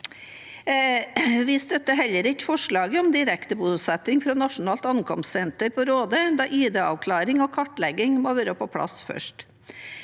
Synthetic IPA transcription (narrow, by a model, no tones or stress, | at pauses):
ʋɪst̪œt̪ːəɦɛlːəɾɪkfɔʂɭɑːɡəɔmd̪ɪɾɛkt̪əbuːsɛt̪ɪŋfɾɔnɑʂʊnɑːlt̪ɑnkʰɔmst̪sɛnt̪əɾpʰɔɾoːd̪əd̪ɑʔiːd̪eːɑ̰ʋkʰlɑːɾɪŋɔkʰɑʈlɛɡɪŋmoʋøːɾəpʰɔpʰlɑ̰sfœ̰ʂʈ